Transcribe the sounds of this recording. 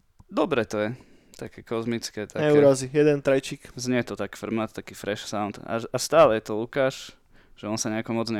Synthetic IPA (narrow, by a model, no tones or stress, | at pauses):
d̪ɔbɾɛt̪ɔjɛ | t̪akɛkɔzmit͡skɛt̪aɲɛuɾazijɛd̪ɛnt̪ɾajt͡ʃikzɲɛt̪ɔt̪akfr̩mnat̪t̪akiːfɾɛʃsaʊnt̪a̰ast̪aːlɛjɛt̪ɔlukaːʃ | ʒ̥ɛɔnsaɲɛakɔmɔd͡zɲɛ